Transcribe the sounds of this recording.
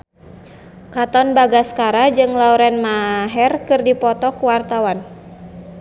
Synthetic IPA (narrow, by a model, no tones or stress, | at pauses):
kat̪ɔnbaɡaskaɾad͡ʒɨŋlauɾɛnmaɦɛrkɨrdipɔt̪ɔkuwart̪awan